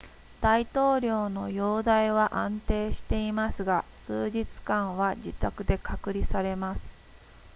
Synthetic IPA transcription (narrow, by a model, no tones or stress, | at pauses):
d̪̥ait̪o̞ːɾʲo̞ːno̞jo̞ːd̪aiβaʔãnt̪e̞ːɕi̥t̪e̞imasɨɡasɨːʑit͡sɨ̥kãɰ̃βad͡ʑit̪akɯ̟d̪e̞kakɯ̟ɾʲisaɾe̞masɨ̥